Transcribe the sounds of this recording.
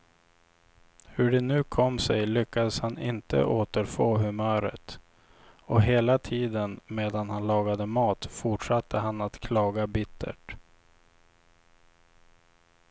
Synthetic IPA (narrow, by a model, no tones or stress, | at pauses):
hɵɖɛnʉ̟ːkʰɔmsɛjlʏkːad̪əshanɪnt̪ə̰ʔoːt̪əɾfoːɦɵmœːɾə̰t̪ | ɔɦeːlat̪ʰiːd̪ənmeːd̪anhanlɑːɡad̪əmɑːt̪fʊʈʂat̪ːəɦanat̪kʰlɑːɡabɪt̪ʰːə̰ʈ